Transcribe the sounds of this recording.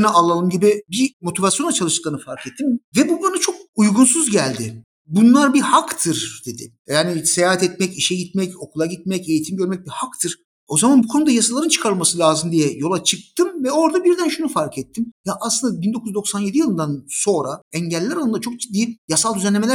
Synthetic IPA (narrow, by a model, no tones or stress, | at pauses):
nialˠalˠɯmɟibibimo̞t̪ʰivasjo̞nat͡ʃʰalˠɯʃtɯ̥klˠaɾnɯfaɾkʰɛt̪ʰːimvɛbuanat͡ʃʰok̚ujɡunsuzɟælʲd̪ɪ | bunlˠaɾbihakt̪ʰɯɾd̪e̞d̪ɪ̰ | jaːnisejaːɦat̪ɛt̪mɛciʃɛɟit̪mɛco̞kʰulˠaɟit̪̚mɛce̞jit̪ʰimɟø̞ɾmɛc̚bihakt̪ʰɯɾ̥ | o̞zamanbukʰo̞nud̪ajasalˠaɾɯnt͡ʃʰɯ̥kʰaɾɯlmasɯlʲaːzɯmd̪ijɛjo̞lˠat͡ʃʰɯk̚t̪ɯmvɛo̞ɾd̪abiɾd̪ænʃunufaɾkʰɛt̪ʰːimjaʔaːslˠɯnd̪abind̪o̞kʰuzd̪o̞ksanje̞d̪ijɯlˠɯnd̪anso̞ɾaɛɲɟɛlʲːɛɾalˠɯnd̪at͡ʃʰo̞k̚d͡ʒid̪ːiːjasalˠd̪yzænlʲemeæ